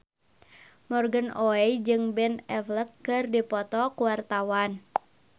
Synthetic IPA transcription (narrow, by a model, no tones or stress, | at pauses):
mɔrɡənoɛjd͡ʒɨŋbɛnɛfləkːɨrdipɔt̪ɔkuwart̪awan